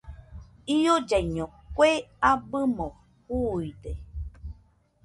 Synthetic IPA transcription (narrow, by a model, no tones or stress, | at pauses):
iod͡ʒajɲõ | kʷeabɨmõ | huide